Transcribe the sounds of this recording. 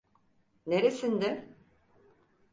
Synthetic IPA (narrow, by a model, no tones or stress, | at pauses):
neɾesind̪ɪ